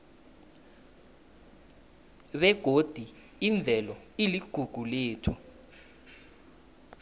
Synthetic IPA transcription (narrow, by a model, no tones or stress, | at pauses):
ɓɛɡ̥ʱod̥ʱi | iɱb̪vʱɛlɔ | iliɡ̥ʱuɡ̥ʱuleːtʰu̥